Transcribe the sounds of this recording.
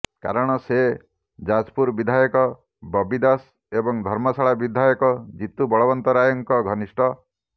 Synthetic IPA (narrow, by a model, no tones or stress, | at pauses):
ka̰ɾɔɽ̃ɔse | d͡ʒad͡ʒpuɾbid̪ʱajɔkɔ | bɔbid̪as | ebɔŋd̪ʱɔɾmɔsaɭabid̪ʱajɔkɔd͡ʒit̪ubɔɭɔbɔnt̪ɔɾajɔŋkɔɡʱɔnisʈʰɔ